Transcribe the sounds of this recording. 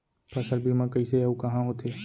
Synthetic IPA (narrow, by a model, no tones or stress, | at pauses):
pɐsəɾbʱimãkɐiseaukɐɦãɦoːt̪ʰeː